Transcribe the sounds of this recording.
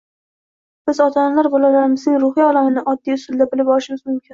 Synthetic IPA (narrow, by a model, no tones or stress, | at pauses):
b̥ɪzɒt̪ʰanalaɾbɒlalaɾɪmɪznɪŋɾʊhijɒlamɪnɪʔɒd̪ːijʊsʊlˠd̪abɪlɪbɒɾɪʃɪmɪzmʊmkʲʰɪn